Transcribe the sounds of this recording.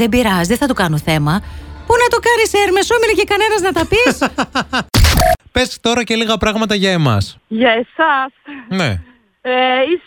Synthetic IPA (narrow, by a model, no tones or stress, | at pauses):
ðebiɾɐzðeθɐt̪ukɐnoθe̞mɐpunɐt̪o̞kɐniseɾmesomilecekɐne̞nɐznɐt̪ɐpis | pest̪o̞ɾɐce̞liɣɐpɾɐɣmɐt̪ɐʝɐe̞mɐ̰sʝɐesɐsnḛ | eis